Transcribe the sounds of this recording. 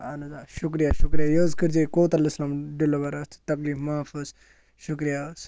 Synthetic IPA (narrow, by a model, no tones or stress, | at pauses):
ɐnɐzaːʃukɾijaʃukɾijajoːzkiɾd͡ʒikoːt̪ɐlislamɖilobɐɾɐt̪ʰt̪ɐkliːfmaːfuːz | ʃukɾijas